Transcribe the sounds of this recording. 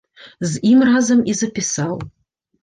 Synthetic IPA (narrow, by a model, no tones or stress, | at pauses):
zimrɑzə̆mizəpʲisɑlˠ